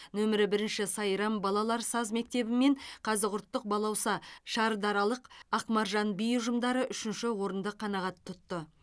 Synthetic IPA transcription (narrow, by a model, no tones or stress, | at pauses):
nɵmɪɾɪbɪɾɪnʃɪsɑjɾɑmbɑlˠɑlˠɑɾsɑzme̞k̚t̪e̞bɪme̞ɴqʰɑzɪɾʊɾt̪ːəq̚bɑlˠɑwsɑʃɑɾd̪ɑɾɑlˠəqɑqmɑɾʒɑnbijʊʒəmd̪ɑɾəʔʏʃɪnʃɪwo̞ɾənd̪əqʰːɑnɑʁɑt̪ʰːʊt̪ːə